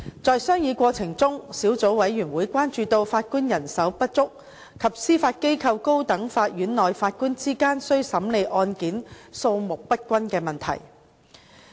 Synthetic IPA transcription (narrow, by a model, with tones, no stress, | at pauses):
t͡sɔː˧jsœː˥ŋjiː˨˧kʷɔː˧t͡sʰɪ˨˩ŋt͡sʊ˥ŋsiː˨˥wt͡so˨˥wwɐ˨˥jɥyː˨˩nwuː˨˥jkʷwaː˥nt͡ʃyː˧t̪o˧wfaː˧t̚kuː˥njɐ˨˩nsɐ˨˥wpɐ˥t̚t͡sʊ˥k̚ | kʰːɐ˨˩p̚siː˥faː˧t̚ke˥jkʰɐ˧wko˥wt̪ɐ˨˥ŋfaː˧t̚jyː˨˥nlɔː˨˩jfaː˧t̚kuː˥nt͡siː˥kaː˥nsɵ˥ɥsɐ˨˥mle˨˧jʔɔː˧nkiː˨˥nso˧wmʊ˨k̚pɐ˥t̚kʷɐ˥nkɛː˧mɐ˨nt̪ʰɐ̰˨˩j